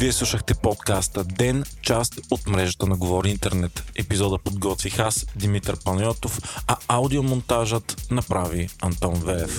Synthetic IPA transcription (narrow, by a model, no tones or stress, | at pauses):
viɛslˠuʃəxt̪ɛpɔt̪kast̪əd̪ɛnt͡ʃast̪ot̪mɾɛʒət̪ənɐɡovɔɾiint̪ɛɾnɛt̪ɛpizɔd̪əpod̪ɡɔt̪vixasd̪imit̪əɾpɐnjɔt̪ofɐawd̪iomont̪aʒət̪nɐpɾaviɐnt̪ɔnvɛɾɛf